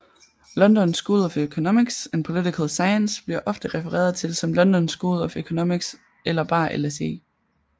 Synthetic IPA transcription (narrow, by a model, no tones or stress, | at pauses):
lɒ̽nd̥ɒ̽nsɡ̥uð̩ˠɒføkʰo̝nomiɡ̥se̝npʰo̝lit͡sikʰəlˠsɑ̈ɪənsb̥liɐ̰ʔɒ̽fd̥əʁɛfəʁɛ̰ːɐðˠt͡sʰe̝lsɒ̽mlɒ̽nd̥ɒ̽nsɡ̥uð̩ˠɒføkʰo̝nomiɡ̥s | ʔelɐb̥ɑ̰̈ːʔḛlese̝̰ː